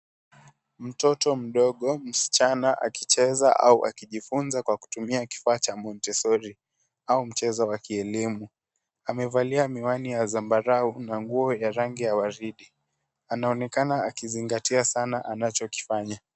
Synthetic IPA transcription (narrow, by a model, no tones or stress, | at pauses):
m̩tɔtɔm̩ɗɔɠɔm̩si̥t͡ʃanaʔakit͡ʃɛza̰ʔa̰uʔa̰kiʄifunzakwaku̥tumiaki̥faːt͡ʃamɔntɛsɔɾi | aum̩t͡ʃɛzawakiɛlimu | amɛvaliamiwanijazambaɾaunaŋɡuɔjaɾaŋɡijawaɾiɗi | anaɔnɛkanaakiziŋɡatiasanaʔanat͡ʃɔki̥faɲa